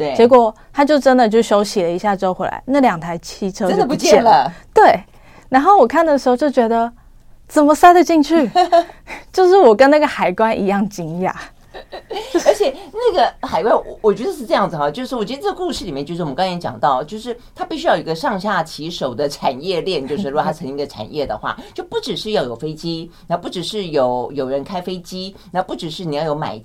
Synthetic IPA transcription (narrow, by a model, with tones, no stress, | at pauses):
t̪we˥˩t͡ɕjɛ˧˥k̬wɔ˨˩˦t̪ʰa˥t͡ɕjo˥˩ʊʈ͡ʂə˦˥nd̪ə˨t͡ɕjo˥˩ʊɕjo˧˥ʊɕi˨lə˩˦i˧˥ɕja˥˩ʈ͡ʂo˥ʊxwlʔa̰˧˦ɪna˥˩ljɑ˨˩ŋt̪ʰa˧˥ɪt͡ɕʰi˥˩ʈ͡ʂʰɤ˥t͡ɕo˥d̪ə˩pu˧t͡ɕjɛ˥ɛ˥˩nlə˩t̪we˥˩ɪ | na˧˥nxo˥˩ʊwɔ˨˩kʰa˥˩nd̪ə˩ʂɻ̩˧˥xo˥˧ʊt͡ɕjo˥˩ʊt͡ɕɥɛ˧˥d̪ə˧ | t͡sə˨˩nmə˧˦sa˥ɪd̪ə˨t͡ɕi˥˧ŋt͡ɕʰy˥˩ | t͡ɕjo˥˧ʊʂɻ̩˥˩wɔ˨˩kə˦na˥˩ɡə˩xa˨˩ɪkwa˥nʔḭ˧˥jɑ˥˩ŋt͡ɕi˥ŋ˧a̰˨˩ | o˥˧ə˞˧˥t͡ɕʰɛ˨˩na˥˩ɡə˩xa˨˩ɪkwa˥nwɔ˨˩wɔ˨˩t͡ɕɥɛ˧˥d̪ə˧˥ʂɻ̩˥ʈ͡ʂɤ˥˧jɑ˥˩ŋd͡z̩˨˩xa˨˩t͡ɕjo˥˧ʊʂɻ̩˥˩ʂwɔ˨˩t͡ɕɥɛ˥də˧˥t͡sə˧ku˥˧ʂɻ̩˥˩li˨˩mɛ˥˩˧t͡ɕo˥˧ʊʂ̩˥˩ɔ˨˧˦kɑ˥ŋka˧˥t͡ɕjɑ̰˨˩ŋt̪ɑ˥˩ʊt͡ɕjo˥˧ʊʂɻ̩˥˩t̪ʰa˥pi˥˩ɕy˥jɑ˥˩o˨˩˧ɡə˧ʂɑ˥˧ŋɕja˥˩t͡ɕʰi˧˥ʂo˨˩ʊd̪ə˦ʈ͡ʂʰa˨˩njɛ˥˧ljɛ˥˧nt͡ɕjo˥˧ʊʂ̩ɻ̩˥˩ɻʰa˥t͡sʰɤ˧˥ŋi˧˥ɡə˧ʈ͡ʂʰa̰˨˩njɛ˥˩d̪ə̰˩xwa̰˥˩t͡ɕjo˥˩ʊpu˥˩ʈ͡ʂɻ̩˨˩ʂɻ̩˥˧jɑ˥˩ʊjo˨˩ʊfe˥ɪt͡ɕi˥na˧˥pu˥˩ʈ͡ʂɻ̩˨˩ʂɻ̩˥˩jo˨˩ʊjo˨˩ʊɻə˧˦˥nkʰa˥ɪfe˥ɪt͡ɕi˥na˧˥˦pu˥˩ʈ͡ʂɻ̩˨˩ʂɻ̩˥˩i˨˩jɑ˥˩ʊjo˧˥ma̰˨˩ɪ